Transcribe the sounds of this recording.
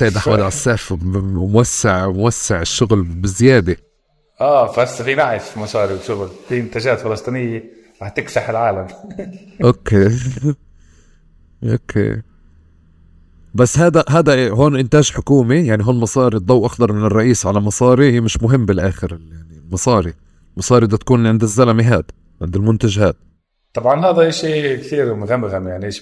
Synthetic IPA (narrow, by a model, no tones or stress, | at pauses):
sajɪd̪ʔaħwad̪ʕasːaːfmʊwasːɪʕmʊwasːɪʕɪʃːʊɣlbɪzɪjaːd̪ɪ | ʔaːfasːfinaʕɪfmɑsˤɑːɾiwɪsʊɣʊlfiʔɪnt̪aːd͡ʒaːt̪fɪlɑsˤt̪ˤinɪjːe | ɾɑːħt̪ɪksaħɪlʕaːlam | ʔokeː | ʔo̰kʰḛː | basːhaːd̪aɦaːd̪aʔɦoːnʔɪnt̪aːʒħʊkuːmijaʕniɦoːnlmɑsˤɑːɾid̪ˤɑwʔɑxd̪ɑɾˤmɪnɪrˤːɑʔiːsʕalamɑsˤɑːɾihiːmɪʃmʊɦɪmːbɪlʔaːxɪɾɪjaʕnilmɑsˤɑːɾi | lmɑsˤɑːɾid̪at̪ḁkuːnʕɪnd̪ɪzːalamiɦaːd̪ | ʕɪ̰nd̪ɪlmʊnt̪aʒha̰ːt̪̚ | t̪ˤːɑbʕɑnɦaːd̪aʔeʃiːkt̪iːɾmʊɣamɣamjaʕniʔeːʃ